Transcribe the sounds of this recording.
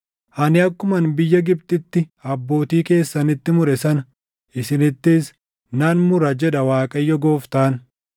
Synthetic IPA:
ʔɐnɪɐkːʊmɐnbɪjːɐɡɪb̚t̪ɪt̪ːɪɐbːo̞ːt̪iːke̞ːsːɐnɪt̪ːɪmʊɾɛsɐnɐ | ʔɪsɪnɪt̪ːɪs | nɐnmʊɾɐd͡ʒɛᶑɐwaːkʼɐjːɔɡo̞ːft̪aːn

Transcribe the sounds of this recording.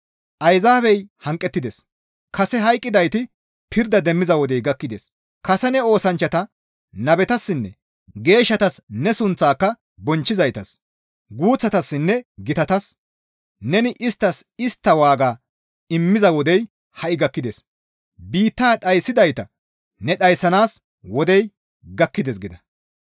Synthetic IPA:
ʔɐjzaːfɛjhɐŋkʼːɛt̪ːɪd̪ɛs | kɐsɛɦɐjkʼːɪd̪ɐjt̪ɪ | pʰɪɾd̪ɐd̪ɛmːɪzɐwɔd̪ɛjɡɐkːɪd̪es | kɐsɛnɛo̞ːsɐnt͡ʃːɐt̪ɐ | nɐbɛt̪ɐsːɪnːɛ̰ | ɡe̞ːʃːɐt̪ɐsnɛsʊnt͡sːaːkːɐ | bɔnt͡ʃːɪzɐjt̪ɐs | ɡuːt͡sːɐt̪ɐsːɪnːɛɡɪt̪ɐt̪ɐs | nɛnɪʔɪst̪ːɐsɪst̪ːɐwaːɡaː | ɪmːɪzɐwɔd̪ɛj | hɐʔɪɡɐkːɪd̪eːs | biːt̪ːaːɗɐjsːɪd̪ɐjt̪ɐ | nɛɗɐjsːɐnaːs | wɔd̪ɛj | ɡɐkːɪd̪eːs̬ɡɪd̪ɐ

